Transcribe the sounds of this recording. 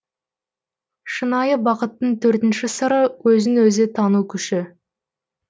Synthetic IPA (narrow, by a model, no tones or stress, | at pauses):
ʃənɑjəbɑqət̪ːəɴt̪ʰɵɾt̪ɪnʃɪsəɾəwɵzɪnwɵzɪt̪ʰɑnukʲʰʏʃɪ